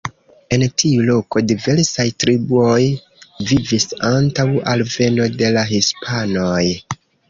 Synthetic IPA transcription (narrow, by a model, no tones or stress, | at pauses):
e̞ntʰiulo̞ko̞dive̞ɾsajtɾibuo̞j | vivisantawalve̞no̞de̞laɦispʰano̞j